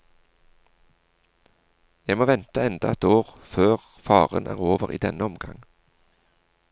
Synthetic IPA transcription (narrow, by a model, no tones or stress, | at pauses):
jæmoːʋɛnt̪əɛnd̪ɑɛt̪oːʁføːʁ | fɑːʁə̰nʔæ̰ːʁoːʋəʁḭːd̪ɛnəɔmɡɑ̰ŋ